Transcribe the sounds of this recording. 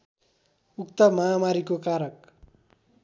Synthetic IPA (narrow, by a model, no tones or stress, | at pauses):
ukt̪ʌmamaɾikokaɾʌk̚